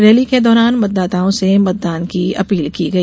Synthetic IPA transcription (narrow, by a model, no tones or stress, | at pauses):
ɾeːliked̪ɔːɾaːnmɐt̪̚d̪aːt̪aːõsemɐt̪̚d̪aːnkiɐ̰piːlkiɡɐi